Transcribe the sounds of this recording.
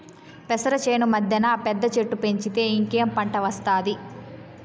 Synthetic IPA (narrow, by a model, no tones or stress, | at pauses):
pɛsɐɾɐt͡ʃeːnumɐd̪ʱjɐnaːpɛd̪ːɐt͡ʃeʈːupe̞ɲt͡ʃit̪e̞ːiŋke̞ːmpɐɳʈɐʋɐst̪aːd̪i